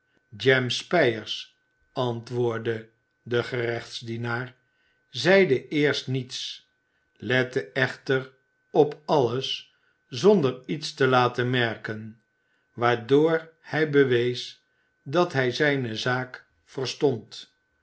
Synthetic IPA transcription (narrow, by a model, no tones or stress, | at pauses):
d͡ʒɛmspɛjəɹs | ɑntʋʊːɹdə | dəχərɛχtsdinaːɹ | zɛjdəʔɪːɹstnits | lɛtəɛχtər | ɔpɑləs | zɔndəɹitstəlaːtəmɛɹkən | ʋaːɹdoːɹhɛjbəʋejs | dɑtɦɛjzɛjnəzaːk | fərstɔnt